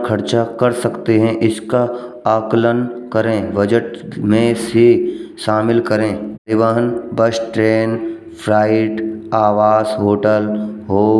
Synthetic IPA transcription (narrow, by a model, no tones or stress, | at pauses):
kʰɐɾt͡ʃakɐɾsɐkt̪eɦɛ̃ʔɪska | aːklənkɐɾẽbəd͡ʒəʈmẽsiʃaːmɪlkɐɾẽːɪʋəɦənbəsʈɾeːn | pʰɾaːɪʈaːʋaːsɦoːʈəlɦoː